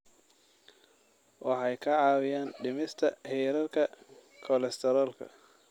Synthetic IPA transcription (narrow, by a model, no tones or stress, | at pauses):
wʔɑħɑjkʰɐʕɑːwɪjaːnɖɪmɪst̪ʰɐhiːɾɐrkʰɐ | kʰɔlɛst̪ʰɛɾɔːlkʰɐ̰